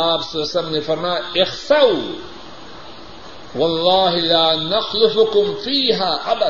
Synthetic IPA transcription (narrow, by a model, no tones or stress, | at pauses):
aːbsɐlaslɐmnifɐɾmaːɪxsaw | wɑlˤːɑːɦɪlaːnaxlʊfʊkʊmfiːɦaːʔab